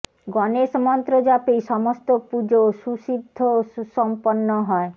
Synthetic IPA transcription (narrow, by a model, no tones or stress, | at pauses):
ɡɔneʃmɔnt̪ɾod͡ʑapejʃɔmost̪opud͡ʑoʃuʃid̪ʱːosɔmponːɔɦɔe